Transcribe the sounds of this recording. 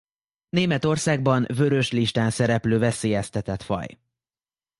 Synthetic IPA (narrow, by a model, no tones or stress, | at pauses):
neːmɛt̪o̞rsaːɡ̚bɒnvø̞ɾø̞ʃliʃt̪aːnsɛɾɛpløːvɛseːjɛst̪ɛt̪ɛt̪fɒ̰j